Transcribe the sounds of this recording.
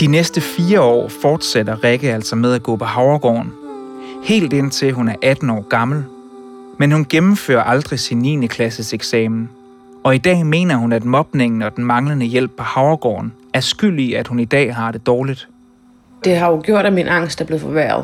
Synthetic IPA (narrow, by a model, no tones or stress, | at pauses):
d̥inesd̥əfiːɐɒ̰ːfɒːd̥sed̥ɐʁeɡ̥əæl̰sɒ̽með̞ˠæɡ̥ɔ̰̽ːpʰɒ̽ɦɑ̈ʊɐɡ̥ɒ̰ːn̩ | he̝̰ːld̥en̰t͡sʰe̝lɦunæɐʔæd̥n̩ɒ̰ːɡ̥ɑ̈ml̩ | menhunɡ̥emm̩fø̰ːɐʔɑ̈ld̥ʁisinːḭːnəkʰlæsəseɡ̥sɛːmn̩ | ɒ̽id̥ɛ̰ːme̝̰ːnɐɦunæd̥mɒ̽b̥ne̝ŋn̩ɒ̽d̥n̩mɑ̈ŋlənəjel̰b̥̚pʰɒ̽hɑ̈ʊɐɡ̥ɒ̰ːn | æɐsɡ̥yl̰iæd̥hunid̥ɛ̰ːɦɑ̈d̥e̝d̥ɒːlid̥ | d̥e̝ɦɑ̈jo̝ɡ̥jo̝ɐ̰ɾ̥æminʔɑ̈ŋ̰sd̥æɐb̥le̝ʊfɒʋæɐ̰ðˠ